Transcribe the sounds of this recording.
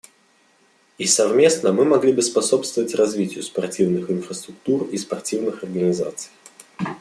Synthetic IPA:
isɐvmʲe̞snəmɨmɐɡlʲibɨspɐso̞pst̪vəvətʲrɐzvʲitʲɪjʊspɐrtʲivnɨxɨnfɾəst̪ɾʊk̚t̪urispɐrtʲivnɨxɐrɡənʲɪza̰t̪sɨ̥j

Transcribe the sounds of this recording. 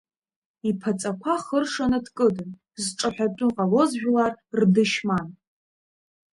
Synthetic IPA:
ipʰat͡sʼakʷʰaχərʂanadkʼɨdɨn | zʈ͡ʂʼaħʷᶣatʷʼʊqʼalo̞zʒᶣlarrdɨʃman

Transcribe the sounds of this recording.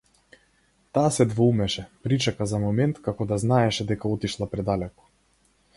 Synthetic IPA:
t̪aːsɛd̪vɔumɛʃɛpɾit͡ʃakazamɔmɛnt̪kakɔd̪aznaɛʃɛd̪ɛkaɔt̪iʃlˠapɾɛd̪alɛkɔ̥

